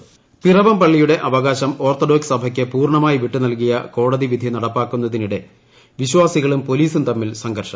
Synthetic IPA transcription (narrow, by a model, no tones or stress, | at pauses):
pirɐʋɐmpɐɭːijuɽe̞ʔɐʋɐɣaːɕɐmo̞ːrt̪oɖoːksɐbʱɐkʲːɨpuːrɳɐmaːjiʋiʈːunɐlk̬ijɐ̰ko̞ːɽɐðiʋid̪ʱinɐɽɐpːaːkːun̪ːɐðiniɽe̞ | ʋiɕwaːsiɣɐɭumpo̞liːsunt̪ɐmːilsɐŋɡɐrʂɐm